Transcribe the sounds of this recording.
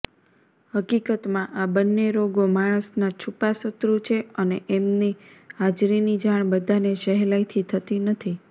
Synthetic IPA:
həkikət̪mãʔabənːeɾoɡomaɽ̃əsnat͡ʃʰupasət̪ɾut͡ʃʰeəneʔemniɦad͡ʒɾinid͡ʒaɽ̃bəd̪ʱaneʃəɦɛlait̪ʰit̪ʰət̪inət̪ʰi

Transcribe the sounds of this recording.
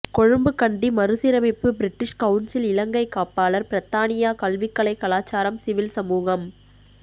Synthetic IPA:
kɔɻɯmbɯkɐɳɖimɐɾɯsɪɾɐmɪpːɯbɪɾɪʈːɪʂkɐʊnsɪlɪlɐŋɡɐɪkːaːpaːlɐɾpɪɾɐt̪ːaːnɪjaːkɐlʋɪkːɐɭɐɪkːɐɭaːt͡ʃaːɾɐmsɪʋɪlsɐmuːɣɐm

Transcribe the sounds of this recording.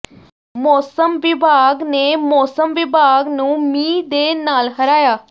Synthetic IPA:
mɔsəmʋibʱaɡnemɔsəmʋibʱaɡnuːmiːd̪enalɦəɾaja

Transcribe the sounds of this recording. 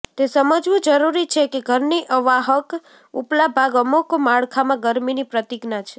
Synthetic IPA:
t̪esəməd͡ʒʋũd͡ʒəɾuɾit͡ʃʰekeɡʱəɾniʔəʋaɦək | uplabʱaɡəmukmaɭkʰamãɡəɾminipɾət̪iɡnat͡ʃʰe

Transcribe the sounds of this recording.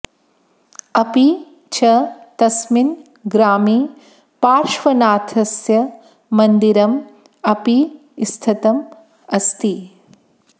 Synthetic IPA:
ɐpi | t͡ʃʰɐt̪ɐsmin | ɡɾaːmiː | paːɾʃʋɐnaːt̪ʰɐsjɐ | mɐnd̪iɾɐm | ɐpi | st̪ʰɐt̪ɐm | ɐst̪i

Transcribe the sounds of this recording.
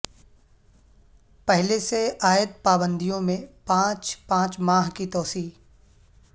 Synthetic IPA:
pɛɦleseaːjət̪̚paːbə̃nd̪ʱijõmẽpãːt͡ʃpãːt͡ʃmaːɦkit̪ɔːsiː

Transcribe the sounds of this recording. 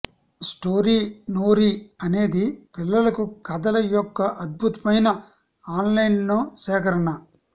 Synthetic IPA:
sʈoːɾiːnoːɾiːɐne̞ːd̪ipilːɐlɐkukɐd̪ɐlɐjɔkːɐʔɐd̪̚bʱut̪ɐmɐjnɐ | aːnlɐjnloːsɛːkɐɾɐɳɐ

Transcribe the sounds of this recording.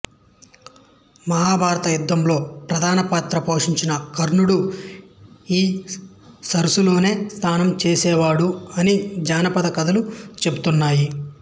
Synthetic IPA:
mɐɦaːbʱaːɾɐt̪ɐjud̪ːɐmlo̞ːpɾɐd̪ʱaːnɐpaːt̪ɾɐpo̞ːʂiɲt͡ʃinɐkɐɾɳuɽu | iː | sɐɾusulo̞ːne̞ːst̪ʰaːnɐmt͡ʃeːsɛːʋaːɽuɐnid͡ʒaːnɐpɐd̪ɐkɐd̪ɐlut͡ʃe̞but̪unːaːji

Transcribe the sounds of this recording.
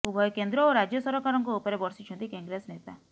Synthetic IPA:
ubʱɔjɔkend̪ɾɔoɾad͡ʒjɔsɔɾɔkaɾɔŋkɔupɔɾebɔɾsit͡ʃʰɔnt̪ikɔŋɡɾesnet̪a̰

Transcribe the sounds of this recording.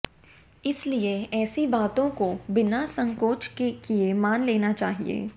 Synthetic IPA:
ɪslieɛːsibaːt̪õkobɪnasɐ̃ŋkoːt͡ʃkekiemaːnleːnat͡ʃaːɦḭḛː

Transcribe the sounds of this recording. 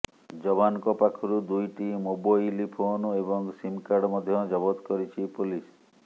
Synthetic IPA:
d͡ʒɔbanɔkɔpakʰɔɾud̪ujʈimubɔjlipʰonuebɔŋsimkaɖmɔd̪ʱjɔd͡ʒɔbɔt̪kɔɾit͡ʃʰipulis

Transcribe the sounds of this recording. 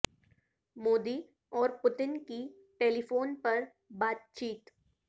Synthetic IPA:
moːd̪i | ɔːɾpʊt̪ɪnki | ʈeːlifoːnpɐɾ | baːt̪̚t͡ʃiːt̪

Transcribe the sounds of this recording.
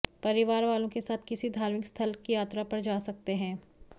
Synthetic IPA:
pɐɾɪʋaːɾʋaːlõkesaːt̪ʰkɪsid̪ʱaːɾmɪkst̪ʰɐlkijaːt̪ɾapɐɾd͡ʒaːsɐk̚t̪eɦɛ̃ː

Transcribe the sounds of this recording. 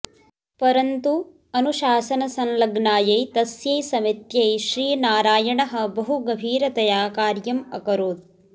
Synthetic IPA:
pɐɾɐnt̪u | ɐnuʃaːsɐnɐsɐnlɐɡnaːjɐjt̪ɐsjɐjsɐmit̪jɐjʃɾiːnaːɾaːjɐɳɐɦɐ̆bɐɦuɡɐbʱiːɾɐt̪ɐjaːkaːɾjɐmɐ̰kɐɾoːd̪̚

